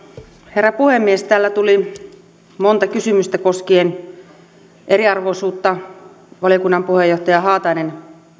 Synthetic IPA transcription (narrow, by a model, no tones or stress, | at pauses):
herːæpuhemːiest̪æːlːæt̪uli | mont̪ɑkysymyst̪æko̞skeːn | ʔe̞ɾiɑrʋoisuːt̪ːɑ | ʋɑlijokunːɑmpuhejoht̪ɑjɑɦɑːt̪ɑinen